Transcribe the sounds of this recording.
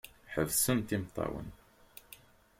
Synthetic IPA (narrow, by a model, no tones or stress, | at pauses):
ħəðsənt̪imt̪ˤːɑ̰wə̰n